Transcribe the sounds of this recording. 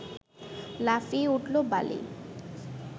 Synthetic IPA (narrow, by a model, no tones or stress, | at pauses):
lafiuʈlobalḭ